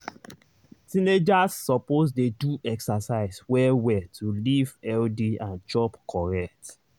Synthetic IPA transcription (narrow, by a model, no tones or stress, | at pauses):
tĩned͡ʒasːɔpozdeduɛksasaɪswɛwɛtʰulivɛldiãnd͡ʒɔpkʰɔɹɛk̚t